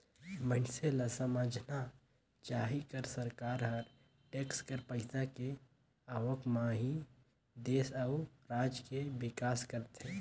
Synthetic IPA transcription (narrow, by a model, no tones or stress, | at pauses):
mənselasəməd͡ʒʱna | t͡ʃaɦikəɾsəɾkaːɾɦəɾ | ʈeːkskəɾpəɪsake | aːʋəkmãɦi | d̪eːsauɾaːd͡ʒkebɪkaːskəɾt̪ɦɛ̃